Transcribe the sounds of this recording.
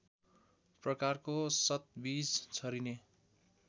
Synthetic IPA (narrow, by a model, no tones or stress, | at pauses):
prʌkarkosʌt̪̚bid͡zt͡sʰʌɾine